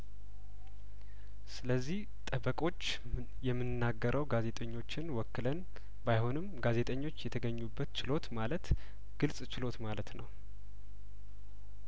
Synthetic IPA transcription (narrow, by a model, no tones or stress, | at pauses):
sɨləzːih | t̪ʼəbəkʼo̞t͡ʃː | jɛmːɨnnːaɡːəɾʔəwɡaze̞t̪ʼəɲːo̞t͡ʃːɪnwɔkːɨlən | bajho̞nɨmɡaze̞t̪ʼəɲːo̞t͡ʃːjɛt̪ʰəɡəɲːubːət̪t͡ʃɪlo̞t̪malət̪ | ɡ̥ɨlsʼt͡ʃɪlo̞t̪malət̪nəw